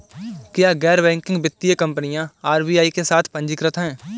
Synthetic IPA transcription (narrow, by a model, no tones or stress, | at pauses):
kɪjaɡɛːɾbɛ̃ːŋkɪ̃ŋɡbɪt̪ːijəkɐ̃mpənijãaːɾbiːaːikesaːt̪ʰpə̃ɲd͡ʒɪkɾət̪ɦɛ̃ː